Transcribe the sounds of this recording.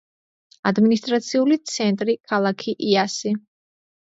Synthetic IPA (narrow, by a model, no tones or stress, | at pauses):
ad̪minist̪ʼɾat̪sʰiulit̪sʰɛnt̪ʼɾikʰalˠakʰiʔiasi